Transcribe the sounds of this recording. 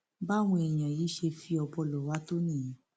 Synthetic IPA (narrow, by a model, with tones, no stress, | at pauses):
ba˦˨w̃ɔ̃˧ɛ˨j̃ã˨ji˨˦ʃe˧fi˧ɔ˧bɔ˧lɔ˨wa˨˦to˦nĩ˦˨˦